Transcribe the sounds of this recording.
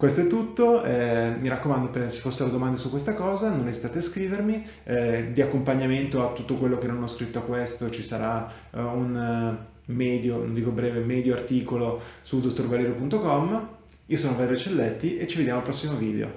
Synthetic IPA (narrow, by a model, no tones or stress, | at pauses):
kwest̪oɛt̪ːut̪ːoɛmiɾakːomand̪opese̥fosːeled̪omand̪asukwest̪akɔːzanonezit̪aːt̪easkɾiːvermi | d̪iakːompaɲːament̪oat̪ːut̪ːokwelːokenːonɔskɾit̪ːoakːwest̪ot͡ʃisaɾa | un | mɛːd̪jono̰nd̪iːkobɾɛːvemɛːd̪joart̪iːkolosud̪ot̪ːorvaleːɾopunt̪okɔmː | iːosoːnovaeːɾot͡ʃːelːet̪ːiʔet͡ʃːived̪jamolpɾɔsːimoviːd̪ḛo̰